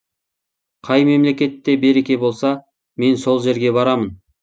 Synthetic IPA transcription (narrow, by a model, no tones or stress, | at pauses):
qʰɑjme̞mle̞kʲe̞t̪ːe̞be̞ɾe̞kʲe̞bo̞lˠsɑ | me̞nso̞lˠʒe̞ɾɡʲe̞bɑɾɑmən